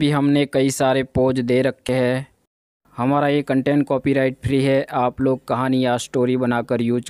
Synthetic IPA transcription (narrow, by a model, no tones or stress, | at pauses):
bʱiɦɐmnekɐisaːɾepoːd͡ʒd̪eːɾɐkʰːeɦɛ̃ː | hɐmaːɾajekɐ̃ɳʈẽːɳʈ̚kɔːpiɾaːɪʈpʰɾiɦɛʔaːploːɡ̚kɐɦaːnijasʈoːɾibɐnaːkəɾjuːd͡ʒ